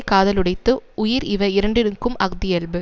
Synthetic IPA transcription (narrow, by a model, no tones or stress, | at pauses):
kaːðɐlɯɽɐɪt̪ːɯʔʊjɪɾɪʋɐɪɾɐɳɖɪɾɯŋkɯmɐɣd̪ɪjɛlbɯ